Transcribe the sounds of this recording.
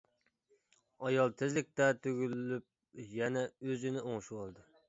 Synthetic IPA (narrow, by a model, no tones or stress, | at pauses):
ɑjɑlˠt̪ʰɪzlɪk̚ʲt̪ɛt̪ʰøɡʲylːyp̚ | jɛnɛøzɪnɪoŋʃuwɑlˠd̪ɨ